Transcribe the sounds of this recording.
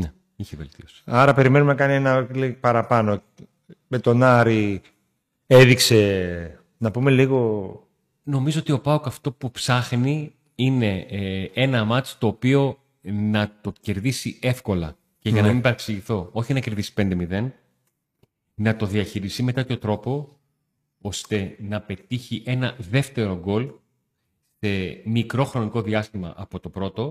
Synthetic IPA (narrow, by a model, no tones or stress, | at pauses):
ne | içevelt̪iosi̥ɐɾɐpe̞ɾime̞numenɐkɐnienɐlipɐɾɐpɐno | met̪o̞nɐɾi | eðikse̞ | nɐpume̞liɣo̞ | no̞mizoot̪io̞pɐokɐft̪o̞pupsɐxni | ine̞e̞nɐmɐt͡st̪o̞ːpio̞ | nɐt̪o̞ce̞ɾðisie̞fko̞lɐ̰ | ceʝɐnɐmimbɐɾeksiʝiθo̞oçinɐce̞ɾðisi̥pe̞nd̪e̞miðe̞n | nɐt̪o̞ðiɐçiɾist̪ime̞t̪et̪çot̪ɾo̞po̞ | o̞st̪e̞nɐpe̞t̪içiʔe̞nɐðe̞ft̪e̞ɾo̞ɡo̞l | se̞mikɾo̞xɾo̞niko̞ðiɐst̪imɐ̰ʔɐpo̞t̪o̞pɾo̞t̪o̞